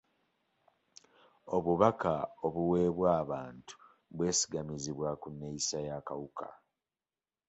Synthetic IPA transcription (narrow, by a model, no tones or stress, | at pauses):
o̞βuβakao̞βuwe̞ːβwaːβaːntu̥ | βwe̞ːsi̥ɡamiziβwakunːeisajaːkawukʰa̰